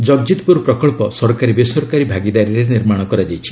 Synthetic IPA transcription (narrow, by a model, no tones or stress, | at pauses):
d͡ʒɔɡd͡ʒit̪puɾpɾɔkɔɭpɔsɔɾkaɾibesɔɾɔkaɾibʱaɡid̪aɾiɾeniɾmaɽ̃ɔkɔɾad͡ʒajt͡ʃʰi̥